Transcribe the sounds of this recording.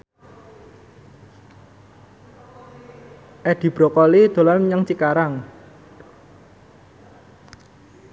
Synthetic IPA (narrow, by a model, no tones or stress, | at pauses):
ʔɛɖ̪̥i̤b̥ɾokɔlid̪̥o̤lanmɲaŋt͡ʃikaɾaŋ